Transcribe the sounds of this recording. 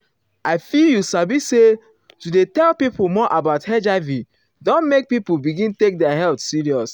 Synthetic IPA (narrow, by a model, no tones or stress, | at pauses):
aɪfiljusabise | tudetɛlpipumɔʔabaʊthɛd͡ʒavi | dõnmek̚pipubiɡĩntek̚dɛaɦɛltsiɹiɔs